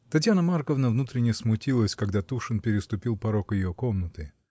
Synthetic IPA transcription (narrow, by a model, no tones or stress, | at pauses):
t̪ɐt̬ʲjanəmarkəvnəvnut̪ɾʲɪnʲɪjəsmʊtʲilˠəsʲkɐɡd̪at̪uʂɨnpʲɪɾʲɪst̪ʊpʲilˠpɐɾokjɪjokomnət̪ɨ